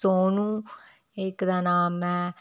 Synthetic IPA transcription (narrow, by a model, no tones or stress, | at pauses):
oːnũː | ɪkd̪aːnaːmɛ̃ː